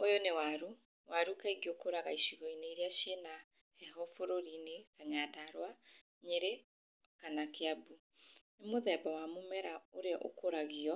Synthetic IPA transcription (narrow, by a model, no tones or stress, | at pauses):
ojonewaɾu | waɾukaiɡiokoɾaɣaiʃiɣɔineiɾiaʃena | hɛɦɔfoɾoɾinekaɲadaɾwa | ɲeɾe | kanakeabu | nemoðɛbawamomɛɾaoɾeɔʔo̰koɾaɣiɔ